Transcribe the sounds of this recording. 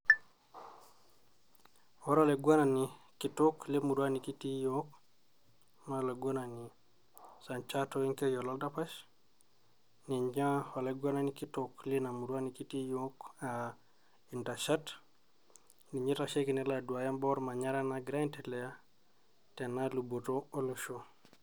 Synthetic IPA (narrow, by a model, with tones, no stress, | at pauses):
wɔ˦ɾale˨ɡwa˦na˨ni˨ | ki˨tukli˦mu˨ɾwa˦ni˨ki˦ti˦jok | ma˦le˨ɡwa˦na˨ni˨ | sa˨nt͡ʃatoi˦ŋke˦jɔ˨lɔ˦lda˦pa˦ʃ | ni˨ɲd͡ʒa˦ho˨leɡwa˦na˦niki˦tuklina˨mu˨ɾu˦a˦ni˨ki˦ti˦joka | intaʃat | ni˨ɲi˦ɾaʃe˦ki˨ne˦ladu˨a˨ja˦mbɔɾma˨ɲa˦ɾa˦naɡɾa˦nteleja | te˨nalubotoo˦luʃo